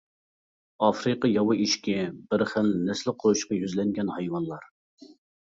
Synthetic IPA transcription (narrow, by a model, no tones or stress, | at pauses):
ɑfɾɨqɑjɑwɑiʃkʲɛbɪɾχəlnɛslɪqʰoɾuʃqɑjyzlɛŋɡʲɛnhɑjwɑnlˠɑɾ